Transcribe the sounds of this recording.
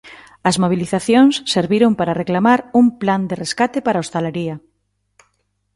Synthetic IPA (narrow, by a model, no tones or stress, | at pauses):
ɐzmoβ̞iliθaθjoŋsːeɾβiɾompaɾareklamaɾuŋpland̪ereskat̪epaɾaost̪alaɾiɐ